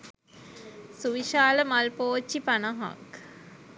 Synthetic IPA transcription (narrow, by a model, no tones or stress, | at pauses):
suʋiʃaːləmalpoːt͡ʃːipanəɦa̰k